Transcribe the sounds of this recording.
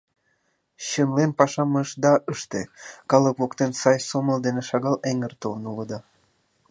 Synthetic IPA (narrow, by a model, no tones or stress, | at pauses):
ɕənlenpɑʃɑməʃd̪ɑʔəʃt̪ḛkɑləkβokt̪ensɑjsoməld̪eneʃɑɣɑleŋərt̪olnuləd̪ɑ